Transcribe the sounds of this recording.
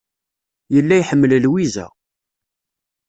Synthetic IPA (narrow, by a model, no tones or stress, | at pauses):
jəlːæjħəmːəllwizæ̰